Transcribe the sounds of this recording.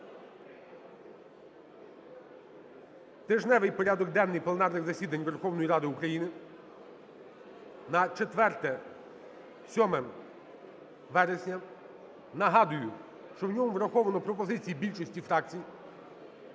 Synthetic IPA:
t̪ɪʒnɛʋɪjpɔɾʲad̪ɔɡ̚d̪ɛnːɪjplˠenɑrnɪɣzɐsʲid̪ɐnʲʋerxɔwn̪ɔjiɾɑd̪ɪʊkɾɐjinɪ | nɐt͡ʃet̪ʋɛrt̪ɛ | sʲɔmɛm | ʋɛɾesʲnʲɐ | nɐɦɑd̪ʊjʊ | ʃt͡ʃɔwnʲɔmuʋɾɐxɔʋɐnɔpɾɔpɔzɪt͡sʲijibʲilʲt͡ʃɔsʲtʲifɾɑkt͡sʲiji

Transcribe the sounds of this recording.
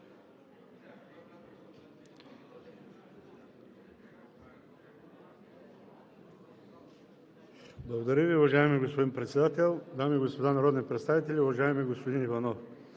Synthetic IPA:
blˠɐɡod̪aɾiviuvaʒaɛmiɡospoimpɾɛt̪sʲɛd̪at̪ɛlˠd̪amiɛɡospod̪anaɾod̪nipɾɛt̪st̪avit̪ɛlʲiuvaʒajɛmiɡospod̪inivanof

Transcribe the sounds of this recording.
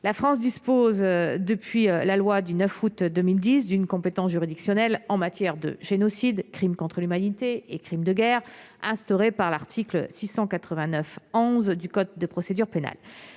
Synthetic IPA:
lafχɑ̃s̬d̪ispozd̪əpɥilalwad̪ynœfut̪d̪əmild̪is̬d̪ynkɔ̃pet̪ɑ̃sʒyʁid̪iksjɔnɛlɑ̃mat̪jɛʁd̪ə̰ʒenɔsid̪kχimkɔ̃t̪χəlymanit̪eekχimd̪əɡʲɛʁ | ɛ̃st̪ɔʁepaʁlaʁt̪ʰikləsisɑ̃kat̪χəvɛ̃nœfɔ̃zd̪ykɔt̪̚d̪əpχɔsed̪yʁpena̰l

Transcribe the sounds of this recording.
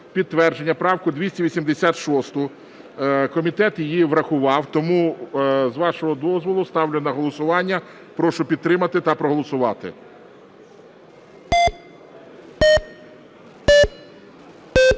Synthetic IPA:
pʲid̪̚t̪ːʋɛrd͡ʒenʲːɐpɾɑwkʊd̪ʲʋʲisʲtʲiʋʲisʲimd̪esʲat̪ʃɔst̪ʊ | kɔmʲit̪ɛt̪jɪjiʋɾɐxʊʋɑwt̪ɔmuzʋɑʃɔɦɔd̪ɔzʋɔlˠʊst̪ɑwlʲɪnɐɦɔlˠɔsʊʋɑnʲːɐ | pɾɔʃʊpʲid̪t̪ːɾɪmɐt̪ɪt̪ɐpɾɔɦɔlˠɔsʊʋɑt̪ɪ̰

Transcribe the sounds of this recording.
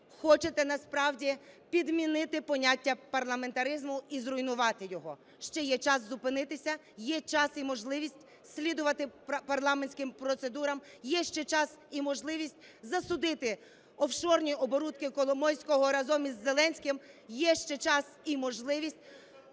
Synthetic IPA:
xɔt͡ʃet̪ɛnɐspɾɑwdʲipʲid̪mʲinɪt̪ɪpɔnʲatʲːɐpɐrlˠɐme̞nt̪ɐɾɪzmʊizrʊjnʊʋɑt̪ɪjɔɦɔ | ʃt͡ʃɛjɛt͡ʃɑszʊpɪnɪt̪ɪsʲɐ | jɛt͡ʃɑsimɔʒlˠɪʋʲisʲtʲ | sʲlʲid̪ʊʋɐt̪ɪpɐrlˠɑmenʲsʲkɪmpɾɔt̪se̞d̪uɾɐmjɛʃt͡ʃɛt͡ʃɑsimɔʒlˠɪʋʲisʲtʲzɐsʊd̪ɪt̪ɪ | ɔwʃɔrnʲiɔbɔɾut̪kɪkɔlˠɔmɔjʲsʲkɔɦɔɾɐzɔmʲizːelˠɛnʲsʲkɪmjɛʃt͡ʃɛt͡ʃɑsimɔʒlˠɪʋʲisʲt̚ʲ

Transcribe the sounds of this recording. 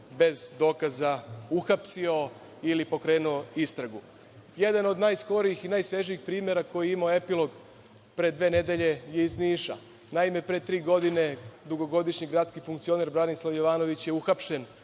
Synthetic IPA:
be̞zd̪o̞ːkazauxapsio̞ | ilipo̞kɾe̞ːnuoist̪ɾaɡu | je̞d̪ano̞d̪najsko̞ɾiixinaːjsʋe̞ʒiixpɾiːme̞ɾako̞jiimaoe̞pilˠo̞ɡ | pɾe̞d̪ʋe̞ːne̞d̪e̞ʎe̞je̞izniːʃa̰ | naime̞pɾet̪ɾiːɡo̞d̪ine̞d̪uɡo̞ɡo̞d̪iʃɲiɡɾaːt̪skifuŋkt̪sio̞ne̞ɾbɾanislˠaʋjo̞ʋaːno̞ʋit͡ɕje̞uxapʃe̞n

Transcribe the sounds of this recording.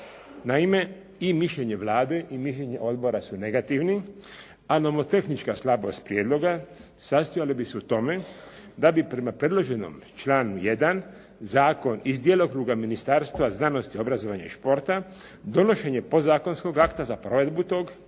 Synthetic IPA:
naime̞ | imiʃʎe̞ɲe̞ʋlaːd̪e̞ʔimiʃʎeɲe̞̰ʔo̞d̪bo̞ɾasune̞ɡat̪iʋni | anomot̪e̞xnit͡ʃkaslˠabo̞̰st̪pɾjeːd̪lo̞ɡa | sast̪ojalibisuut̪o̞me̞ | d̪abipɾe̞mapɾe̞d̪lˠo̞ʒe̞no̞̰mt͡ʃlaːnuje̞d̪an | zaːko̞nizd̪jeːlˠo̞kɾuːɡaminist̪aɾst̪ʋaznaːno̞st̪io̞bɾazo̞ʋaɲa̰iʃpo̞ɾt̪a | d̪o̞no̞ʃe̞ɲe̞po̞zaːko̞nsko̞ɡakt̪azapɾo̞ʋe̞d̪but̪o̞ːɡ

